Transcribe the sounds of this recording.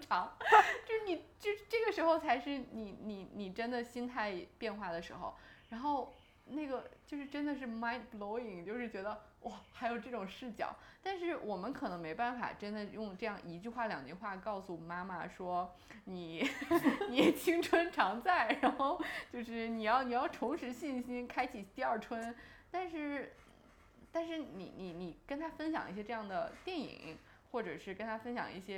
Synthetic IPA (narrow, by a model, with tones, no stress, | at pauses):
ʈ͡ʂʰɑ˧˥ŋt͡ɕjo˥˧ʊʂɻ̩˥˩ni˨˩t͡ɕjʊʂɻ̩˥˧ʈ͡ʂɤ˥˩ɡə˩ʂɻ̩˧˥xo˧ʊt͡sʰa˧˥ɪʂɻ̩˥˩ni˨˩˥ni˨˧˩ni˨˩ʈ͡ʂə˥nd̪ə˨ɕi˥nt̪ʰa˥˧ɪpjɛ˥˧nxwa˥˩d̪ə˩ʂɻ̩˧˥xo̰˧ʊɻa˧˥nxo˥˧ʊ | na˥˩ɪɡə˩t͡ɕjo˥˧ʊʂɻ̩˥˩ʈ͡ʂə˥nd̪ə˨˧ʂ̬ɻ̩˥˩ma˥ɪt̪̚blo˧˥ʊi˨˩ŋt͡ɕjo˥˧ʊʂɻ̩˥˩t͡ɕɥɛ˧˥d̪ə˧ | wɔ˥˩xa˧˥ɪjo˨˩ʊʈ͡ʂɤ˥˩ʈ͡ʂʊ˨˩ŋʂɻ̩˥˩t͡ɕjɑ̰˨˩˦ʊt̪a˥˧nʂɻ̩˥˩wʔɔ˨˩mə˦nkʰɤ˨˩nɤ˧˥ŋme˧˥ɪpa˥˩nfa̰˨˩ʈ͡ʂə˥nd̪ə˨jʊ˥˧ŋʈ͡ʂɤ˥˧jɑ˥˩ŋʔi˧˥t͡ɕy˥˧xwa˥˩ljɑ˨˩ŋt͡ɕy˥˧xwa˥˩kɑ˥˩ʊsu˨˩ma˥ma̰˨˩ʂwɔ˥ | ni˨˩˦ | ni˧˥˨t͡ɕʰi˥ŋʈ͡ʂʰwə˥nʈ͡ʂʰɑ˧˥ŋt͡sa˥˩ɪɻa˧˥nxo˥˧˩ʊt͡ɕjo˥˧ʊʂɻ̩˥˩ni˨˩jɑ˥˩˧ʊni˨˩jɑ˥˩ʊʈ͡ʂ̪ʰʊ˧˥ŋʂɻ̩˧˥ɕi˥˩nɕi˥nkʰa˥ɪt͡ɕʰi˨˩t̪i˥˧ɐ˞˥˩ʈ͡ʂʰwə˥nt̪a˥˧nʂɻ̩˥˩ | t̪a˥˧nʂɻ̩˥˩nḭ˨˧˩ni˨˩ni˨˩kə˥nt̪ʰa˥fə˥nɕjɑ̰˨˩ŋʔḭ˥˩ɕjɛ˥ʈ͡ʂɤ˥˧jɑ˥˩ŋd̪ə˩t̪jɛ˥˩nḭ˨˩˦ŋ | xwɔ˥˩ʈ͡ʂɤ˨˩ʂɻ̩˥˩kə˥nt̪ʰa˥fə˥nɕjɑ̰˨˩ŋi˥˩ɕjɛ˥